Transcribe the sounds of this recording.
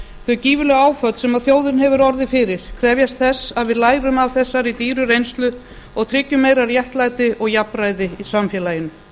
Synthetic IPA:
θœɥciːvʏlɛɣaːwfœt̪sɛmaðθjoːwðɪɾnɦɛvʏɾɔɾðɪfɪɾɪɾ̥kʰɾɛːvjast̪̚θɛsːaðvɪðlaːjɾʏmav̥θɛsːaɾit̪iːɾʏɾejnst̪lʏ | ɔɣt̪ʰɾɪcːʏmeːjɾaɾjɛht̪laːjt̪ɪʔɔɣjapɾaːjðɪisamfjɛːlaːjɪnʏ

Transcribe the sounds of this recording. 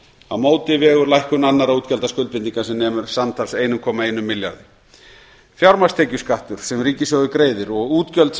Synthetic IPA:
amoːwt̪ɪvɛːɣʏɾlajhkʏnanːaɾauːt̪̚cɛlt̪askʏlt̪pɪnt̪iŋkasɛmnɛːmʏɾ̥sant̪ʰalseːjnʏmkʰɔːmaejnʏmːɪlja̰ɾðɪ | fjawɾmast̪ʰɛːcʏskaht̪ʏɾ̥sɛmriːcɪsjowðʏkɾeːjðɪɾɔɣuːt̪cœlt̪

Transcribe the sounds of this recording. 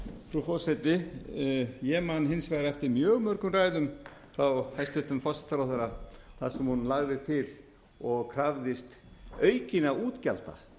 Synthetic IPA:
fɾufɔsɛjt̪nɪ | jɛmanɦɪnsvajðɾaɛft̪ɪɾmjœːɣmœɾkʏmraːjðʏm | fɾawhajst̪ʏht̪ʏmfɔsɪ̥t̪aɾawθɛɾːaθaðsɛmhunlaɣðɪt̪ʰɪl | ɔɣkʰɾavðɪst̪ | œːɥcɪnauːt̪ca̰lt̪a̰

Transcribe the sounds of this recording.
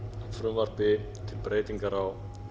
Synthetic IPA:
afɾʏnvaɾ̥pɪ | t̪ʰɪlpɾejt̪iŋkaɾaw

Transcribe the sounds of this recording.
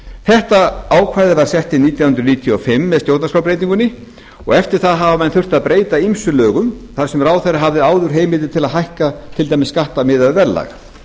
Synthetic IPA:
θɛht̪aaːwkʰvajðɪvaɾ̥sɛht̪ɪniːt̪jawhʏnɾʏniːt̪ʰjɔfɪmːɛðst̪jowt̪naskawpɾejt̪iŋkʏnːɪ | ɔ̰ɣɛft̪ɪɾ̥θaðɦavamɛnθʏr̥t̪aðpɾeːjt̪aimsʏlœːɣʏmθaɾ̥sɛmraːwθɛɾaɦavðɪaːwðʏɾ̥ɦeːjmɪt̪ɪt̪ʰɪlaðɦajhkat̪ʰɪlt̪ajmɪskaht̪amɪːðaðvɛɾla̰ɣ

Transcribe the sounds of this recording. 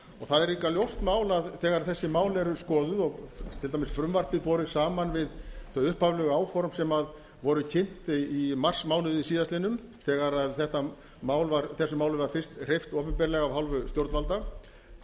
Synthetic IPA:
ɔɣθaðɛɾiːkaljowst̪maːwlaðθɛːɣaɾðθɛsːɪmaːwlɛɾʏskɔːðʏðɔɣt̪ʰɪlt̪amɪsfɾʏmvar̥pɪpɔːɾɪsaːmanvɪðθajʏhpavlœɣaːwfɔɾmsɛmað | vɔɾʏcʰɪn̥t̪ɪimar̥smaːwnʏðisiːðast̪ɪnʏmθɛːɣaɾaðθɛht̪a | maːwlvaɾθɛsːʏmaːwlʏvaɾ̥fɪr̥st̪r̥ejft̪ɔːpɪmpɛɾlɛɣawɦawlvʏst̪jowɾt̪valt̪a

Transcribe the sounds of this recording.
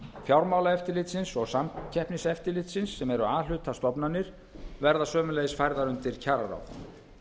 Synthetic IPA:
fjawɾmaːwlaɛft̪ɪɾlɪt̪sɪnsɔɣsamcʰɛhpnɪsɛft̪ɪlɪt̪sɪnsːɛmɛɾʏaːlʏːt̪ast̪ɔpnanːɪɾ̥ | vɛɾðasœːmʏleːjðɪsfajɾðaɾʏnt̪ɪɾ̥cʰaːɾaɾa̰wv

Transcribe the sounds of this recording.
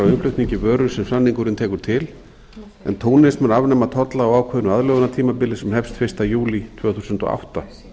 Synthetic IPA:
awʏmplʏht̪niɲcɪvœːɾʏ̥sɛmsanːiŋkʏɾɪnt̪ʰɛːkʏɾ̥t̪ʰɪl | ɛ̰nt̪ʰoːwnɪsmanavnɛmːat̪ʰɔt̪laːwaːwkʰœːðnʏaðlœːɣʏnat̪ʰiːmapɪlːɪsɛmhɛfst̪fɪr̥st̪ajuːlit̪ʰvœːθuːsʏnt̪ɔ̰ʔa̰wht̪a

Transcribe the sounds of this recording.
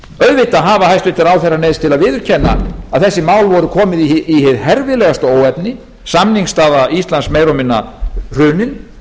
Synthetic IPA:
œðvɪt̪aɦavahajst̪vɪnt̪ːɪɾawθɛrːanɛjðst̪ʰɪlaðvɪːðʏɾ̥cʰɛnːa̰aðθɛsːɪmaːwlvɔɾʏkʰɔːmɪðiihɪðhɛɾvɪlɛɣast̪oːwɛpnɪ | samniŋst̪aːðaist̪lansmejɾɔmɪnːa̰r̥ʏːnɪn

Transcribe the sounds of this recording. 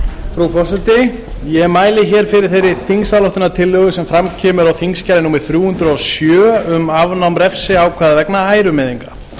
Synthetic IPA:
fɾufɔrs̬ɛt̪ɪjɛmaːjlɪçɛːɾ̥fɪɾɪɾ̥θejɾɪθiŋsalɔht̪ʏnat̪ʰɪlːœːɣʏsɛmfɾamcʰɛːmʏɾawθiŋscaɾɪnuːmɪɾθɾjuːhʏnt̪ɾʏawsjœːʏmavnawmɾɛfsɪaːwkʰaːðavɛknaaːjɾʏmɛðiŋka

